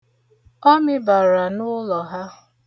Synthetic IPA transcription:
ɔ˦mɪ˦ba˨ɾa˨nʊ˦lɔ˨ɦa˦

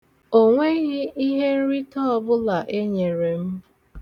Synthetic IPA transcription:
o˨ŋʷe˦ɣɪ˦i˦ɦe˦ɾi˦tɔ˦ɔ˦bʊ˦la˨ʔe˦ɲe˨ɾe˨m̩˦

